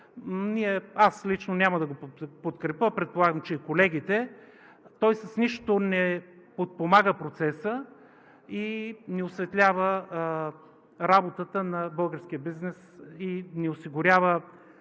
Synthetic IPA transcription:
niɛaslit͡ʃnonʲamɐd̪ɐɡopot̪kɾɛpəpɾɛt̪̚polˠaɡəmt͡ʃɛikolɛɡʲit̪ɛ | t̪ɔjsɐsniʃt̪onɛpot̪̚pomaɡəpɾot̪sɛsə | inɛosvɛt̪lʲavə | ɾabot̪ət̪ənɐbɤlˠɡəɾsk̟ijəbiznɛsinɛosiɡʊɾʲavə

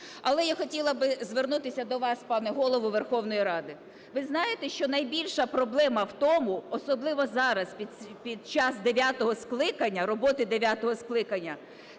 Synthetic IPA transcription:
ɐlˠɛjaxɔtʲilˠɐbɪzʋernut̪ɪsʲɐd̪ɔʋɑspɑnɛɦɔlˠɔʋʊʋerxɔwnɔjiɾɑd̪ɪ | ʋɪznɑjet̪ɛʃt͡ʃɔnɐjbʲilʲʃɐpɾɔblˠɛmɐwt̪ɔmʊɔsɔblˠɪʋɔzɑɾɐspʲipʲid̪̚t͡ʃɑsd̪eʋʲat̪ɔɦɔsklˠɪkɐnʲːɐɾɔbɔt̪ɪd̪eʋʲat̪ɔɦɔsklˠɪkɐnʲːɐ

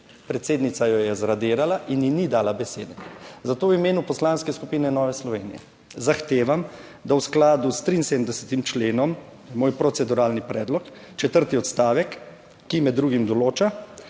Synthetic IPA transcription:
pɾɛt̪seːd̪nit̪sajɔjɛzɾad̪eːɾalaʔinjinid̪aːlabɛseːd̪ɛzat̪oːwimeːnupɔslaːnskɛskupiːnɛnɔːʋɛslɔʋḛːnḭjɛ̰ | zaxt̪eːʋam | d̪awsklaːd̪ust̪ɾinseːd̪əmd̪ɛsɛt̪imt͡ʃleːnɔm | ɛmoːjpɾɔt̪sɛd̪uɾaːlnipɾɛːd̪lɔk | t͡ʃɛt̪əɾt̪iɔt̪st̪aːʋɛkː | imɛd̪ːɾuːɡimd̪ɔloːt͡ʃa

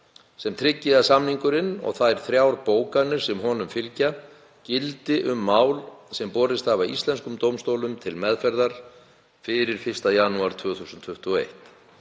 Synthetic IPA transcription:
sɛmt̪ʰɾɪcːɪðasamniŋkʏɾɪnɔ̰ɣθaðɛɾ̥θɾjawɾpoːwkanːɪɾ̥sɛmɦɔːnʏmfɪlca | cɪlt̪ɪʔʏmːaːwlsɛmpɔːɾɪst̪avaist̪lɛnskʏmt̪owmst̪owlʏmt̪ʰɪlmɛðfɛɾðaɾ̥ | fɪɾɪɾ̥fɪr̥st̪ajanuaɾ̥t̪ʰv̥ʏːθusʏnt̪fʏht̪ʏɔḛjht̪

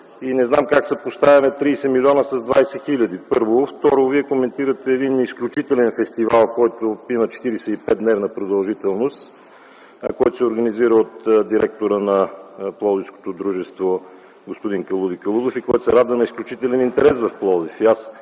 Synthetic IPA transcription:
inɛznamkaksəpost̪avʲɛnɛt̪ɾiːsɛmilʲɔnəsɐzd̪vajsɛxilʲɐd̪ipɤɾvoft̪ɔɾoviɛkomɛnt̪iɾət̪ɛːd̪inisklʲut͡ʃit̪ɛlɛnfɛst̪ivalˠkɔjt̪opinət͡ʃɛ̥t̪iɾisɛipɛt̪nɛɾnɐpɾod̪ɐlˠʒit̪ɛlˠnost̪ | kɔjt̪o̥sɛoɾɡɐniziɾəot̪d̪iɾɛk̚t̪oɾənɐplˠɔd̪ifsko̥t̪od̪ɾuʒɛst̪vo | ɡospod̪iŋkəlˠud̪ikəlˠud̪ofikɔjt̪sɛɾad̪vənɐisklʲut͡ʃit̪ɛlɛnint̪ɛɾɛsvɐfplˠɔd̪ifias

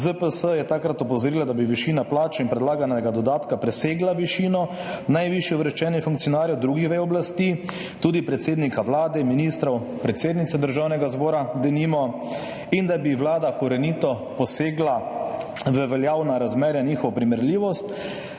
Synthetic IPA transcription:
zəpəsəjɛt̪akɾat̪ɔpɔzɔɾiːlad̪abiʋiʃiːnaplaːt͡ʃinpɾɛd̪laːɡanɛɡad̪ɔd̪aːt̪kapɾɛseːɡlaʋiʃiːnɔnajʋiʃjɛɔʋɾɛʃt͡ʃɛnjɛfuŋkt̪sijɔnaːɾjɔwd̪ɾuːɡixʋɛjɔblast̪i | t̪uːd̪ipɾɛt̪seːd̪nikaʋlaːd̪ɛminist̪ɾɔw | pɾɛt̪seːd̪nit̪sɛd̪əɾʒaːwnɛɡazbɔːɾaɡd̪eniːmɔ | ind̪abiwlaːd̪akɔɾɛnit̪ɔ | pɔseːɡla | ʋəʋɛljaːwnaɾazmɛːɾjaniːxɔʋɔpɾimɛɾliːʋɔst̪

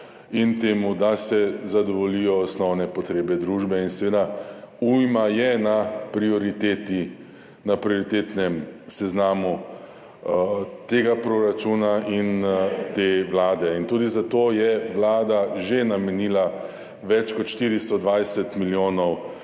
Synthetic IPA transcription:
int̪eːmud̪asɛzad̪ɔʋɔlijɔːsnɔwnɛpɔt̪ɾeːbɛd̪ɾuːʒbɛinsɛʋeːd̪aujmajɛnapɾiɔɾit̪eːt̪i | napɾioɾit̪eːt̪nɛmsɛznaːmu | t̪eːɡapɾoɾat͡ʃunaʔint̪eʋlaːd̪ɛint̪uːd̪izat̪oːjɛʋlaːd̪aʒenamɛniːla | ʋɛt͡ʃkɔt̪ʃt̪iːɾist̪ɔd̪ʋajsɛt̪miljoːnɔw

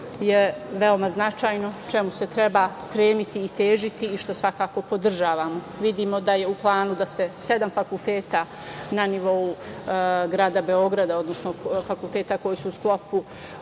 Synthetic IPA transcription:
jeʋeomaznat͡ʃaːjno̞t͡ʃemuset̪ɾebaːst̪ɾeːmit̪iːt̪eːʒit̪iːʃt̪o̞sʋakaːko̞po̞d̪r̩ʒaːʋamo | ʋid̪iːmo̞d̪aje̞uplˠaːnud̪ase̞se̞d̪amfakulˠt̪eːt̪aː | naniʋo̞u | ɡɾaːd̪abe̞o̞ɡɾad̪ao̞d̪no̞snofakulˠt̪eːt̪ako̞jisuːsklˠo̞pu

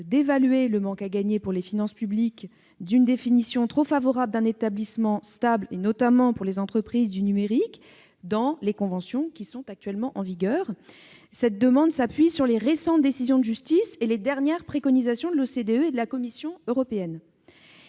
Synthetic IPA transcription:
d̪evalɥeləmɑ̃kaɡaɲepuʁlefinɑ̃spyblik | d̪ynd̪efinisjɔ̃t̪χofavɔʁabld̪ɛ̃net̪ablismɑ̃st̪ablenɔt̪amɑ̃puʁlezɑ̃t̪χəpχizd̪ynymeʁik | d̪ɑ̃lekɔ̃vɑ̃sjɔ̃kʲisɔ̃t̪ak̚t̪ɥɛlmɑ̃ʔɑ̃viɡʲœːʁ | sɛt̪̚d̪əmɑ̃d̪sapɥisyʁleʁesɑ̃t̪̚d̪esizjɔ̃d̪əʒyst̪iseled̪ɛʁnjɛʁpχekɔnizasjɔ̃d̪əlosed̪eøed̪əlakɔmisjɔ̃øʁɔpeɛn

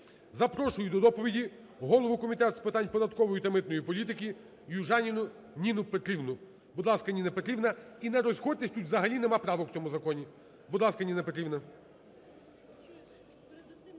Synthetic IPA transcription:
zɐpɾɔʃʊjʊd̪ɔd̪ɔpɔʋʲidʲi | ɦɔlˠɔʋʊkɔmʲit̪ɛt̪spɪt̪ɑnʲpɔd̪ɐt̪kɔʋɔjit̪ɐmɪt̪nɔjipɔlʲit̪̬ɪkʲi | juʒɑnʲinʊ | nʲinʊpet̪ɾʲiwnʊ | bʊd̪lˠɑskɐnʲinɛpɔt̪ɾʲibnɐinɛɾɔzxɔt̪ɪsʲtʲutʲzɐɦɐlʲinemɑpɾɑʋɔkw̥t͡sʲɔmuzɐkɔnʲi | bud̪lˠɑskɐnʲinɐpɔt̪ɾʲibnɐ

